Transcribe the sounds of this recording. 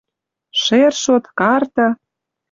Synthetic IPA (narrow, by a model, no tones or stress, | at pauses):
ʃerʃot̪kɑrt̪ɤ̆